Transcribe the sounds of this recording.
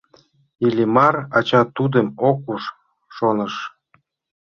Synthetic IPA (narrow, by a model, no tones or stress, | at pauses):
ilʲimɑrɑt͡ɕɑt̪ud̪ə̆mokuʃː | onə̆ʃ